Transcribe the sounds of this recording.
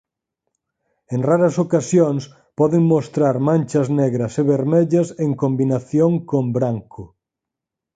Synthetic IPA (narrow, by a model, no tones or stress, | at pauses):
eŋraɾɐsokasjoŋs | pɔðeŋmost̪ɾaɾmãnʲt͡ʃɐznɛɣɾɐseβeɾmeʎɐseŋkombinaθjoŋkombɾaŋkʰʊ